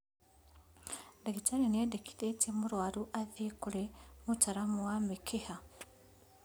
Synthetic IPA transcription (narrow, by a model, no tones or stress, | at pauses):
dekitaɾiniedeki̥tetimuɾwaɾuʔaðikulemutaɾamuwamikʰiha